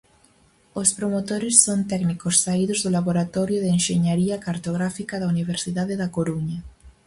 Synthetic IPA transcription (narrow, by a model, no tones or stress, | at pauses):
ospɾomot̪oɾesːont̪ɛknikosːaiðozðolaβoɾat̪ɔɾjoðenʃeɲaɾiakaɾt̪oɣ̞ɾafikaðauniβ̞eɾsiðaðeðakoɾuɲa